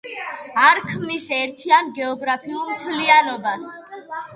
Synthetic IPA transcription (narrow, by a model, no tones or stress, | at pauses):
aɾkʰmnisɛɾt̪ʰianɡɛɔɡɾapʰiulˠmt̪ʰlianɔbas